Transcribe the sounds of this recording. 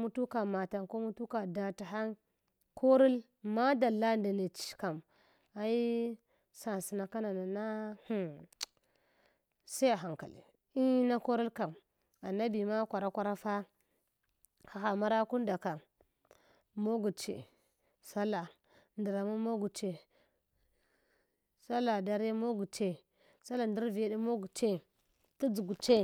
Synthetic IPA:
mu˦tu˦ka˨ma˨ta˨nko˦mu˦tu˦ka˨da˨ta˨ɦa˦n | kʰo˦ɾi˦l | ma˦da˨lːa˦nda˨ne˨t͡ʃi̥˦˨ka˨m | a˨i˦ | sa˨si˨na˨ka˦na˨na˨na˦hu˦ | sa˦a˨ɦa˨ŋka̰˨lḭ˨ | i˦na˦ko˦ɾi˦lka˨m | a˨na˦bi˨ma˦kʷa˨ɾa˦kʷa˦ɾa˦fa˦ | xa˨xa˨ma˦ɾa˦ku˦n˦da˨ka˨ | mo˦ɡu˨t͡ʃḛ˨ | sa˦la˨ | ndi˨ɾa˨mu˦mo˦ɡu˨t͡ʃe˨ | sa˦la˨da˦ɾe˦mo˦ɡu˨t͡ʃe˦ | sa˦la˨ndi˦ɾvi˨ja˦di˦mo˦ɡu˨t͡ʃe˦ | tu˦d͡zu˨ɡu˨t͡ʃe˦

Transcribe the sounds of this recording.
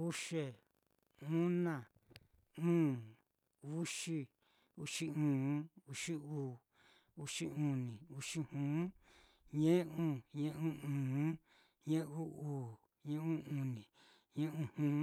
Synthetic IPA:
u˦ʃe˧ | ũ˦nã˦˨ | ũː˦ | u˦ʃi˦ | u˧ʃi˦ũː˨˦u˧ʂi˦uː˨ | u˧ʃi˧ũ˧nĩ˨u˧ʃi˦hũː˨˦ | ɲẽ˦ũ˦ɲẽ˦ʔũ˦ũː˨˦ | ɲẽ˦ʔu˦uː˨ | ɲẽ˦ũ˦ũ˧˨nĩ˨ | ɲẽ˦ũ˦hũː˦

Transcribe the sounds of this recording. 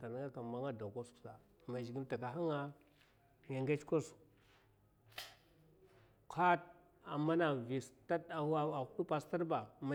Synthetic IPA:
ta˨n˦ɡa˦ka˨ma˦ŋa˦da˨ko˦sksa˨ | ma˨d͡ʒi˨ɡi˦nta˨ka˨ɦa˦ŋa˦ | ja˨ŋɡe˦t͡ʃko˦s | ka˦t̚ | a̰˨ma˦na˨vi˨sta˦a˨˦a˦a˨ku˦ɗu˦pa˨sta˦ɾba˨ma˨

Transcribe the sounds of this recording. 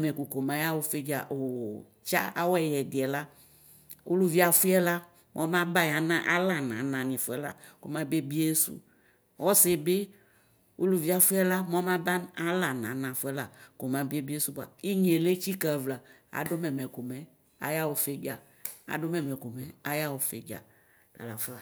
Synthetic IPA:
mɛ˨ku˨ko˨m˨ã˨˦ja˦wo˦fe˦d͡ʒa̰˨o˨ | t͡ʃa̰˦a˦wo˦ɛ˨jɛ˨di˨ɛ˨la˦ | ʔo˦lu˦vi˦a˨fu˦ɛ˦la˦ | mʔɔ̃˦mã˦ba˦ɲ˨a˨nã˦ʔa˦la˦˨nã̰˨nã˨nĩ˨fu˨˦ɛ˦la̰˨ko̰˨mã˦be˦bi˦e˦sṵ˦ | wɔ˦se˨be˦ | wo̰˦lu˦vi˦a˨fu˦ɛ˦la˦m˦ɔ̃˦mã˦ba˦na˦la˨nã˨˦nã˨fu˦ɛ˦la˨ko˨mã˦be˦bi˦e˦su˦ba̰˨i˦ɲ˦e˨le˦t͡ʃi˦ka˨vla˨a̰˨do˦mɛ˨mɛ˨ko˨mɛ˨ | a̰˨ja˦wo˨fe˦ɡa˨ | a̰˨do˦mɛ̃˨mɛ̃˨ko˨mɛ˨a˦ja˦wo˨fḛ˨d͡ʒa̰˨ | la̰˨la˨fa˨

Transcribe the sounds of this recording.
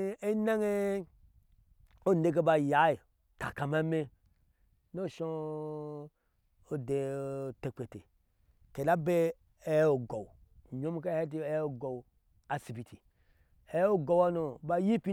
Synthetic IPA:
e˦na˦ŋe˦ | o˦ne˦k̬e˦ba˧ja˨˦i˨ | ta̰˨ka˨ma˦me˦ | no˦˨ʃo˦ | o˨de˨te˨k͡pe˨te˨ | ke˨la˦be˦ | e˦o˨ɡo˨w | ɲo˦m˦ka˦e˦t̬i˦e˦o˦˨ɡo˨w | a˨si˨bi˨tʰi˨ | e˨˦o˦ɡo˧wa˦no˨ba˧ji˦pi˦

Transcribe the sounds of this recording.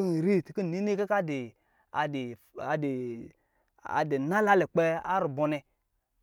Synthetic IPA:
n˨ɾi˦˨tku˦˨ni˦ni˦ka˦ka˦de˨ | a˨di˨ | a˨de˨ | a̰˨de˨na˦la˦le˨k͡pe˦a̰˦ɾu˨bɔ˨nɛ˧

